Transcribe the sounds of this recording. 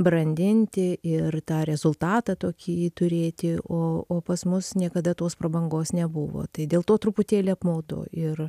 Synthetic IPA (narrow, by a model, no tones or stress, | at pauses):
bɾɐnʲd̪ʲɪnʲt̪ʲɪɪrt̪ɑːɾʲɛzʊlˠt̪ɑːt̪ɑːt̪oːkʲit̪ʊɾʲeːt̪ʲɪʔoːoːpɐsmʊsnʲiɛkɐd̪ɐt̪oːspɾɐbɐŋɡoːsnʲɛbʊʋo̰ːt̪ɐɪd̪ʲeːlˠt̪oːt̪ɾʊpʊt̪ʲeːlʲeːɐpmɐʊd̪o̰ɪr